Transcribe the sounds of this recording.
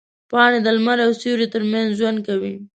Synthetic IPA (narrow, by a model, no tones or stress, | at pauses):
pɑned̪əlmaɾawsuɾet̪əɾmanzʒwand̪̚kawi